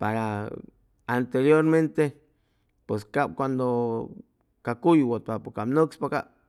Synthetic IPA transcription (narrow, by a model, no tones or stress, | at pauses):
paɾa | ant̪eɾjoɾment̪e | pweskap̚kʷand̪o | kakujwot̪̚papokapnokspaka